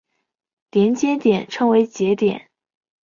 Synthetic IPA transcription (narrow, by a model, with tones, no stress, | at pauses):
t̪jɛ˧˥nt͡ɕjɛ˥nt̪jɛ˨˩nʈ͡ʂʰɤ˥ŋwe˧˥ɪt͡ɕjɛ˧˥t̪jɛ̰˨˩˦n